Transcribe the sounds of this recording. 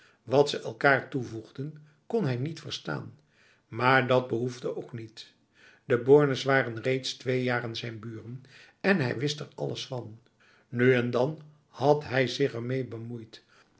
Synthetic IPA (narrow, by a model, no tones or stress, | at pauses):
ʋɑtsəʔɛlˠkaːɹtuvuχdən | kɔnɦɛjnitfəɹsta̰ːn | maːɹdɑd̚bəɦuvdəʔowknit | dəbʊɹnəsʋaːrənrejtstʋejaːrənzɛjnbyːrən | ɛnɦɛjʋɪstɛɹɑ̰ləsfɑn | nyɛndɑn | hɑtɦɛjzɪχɛɹmejbəmujt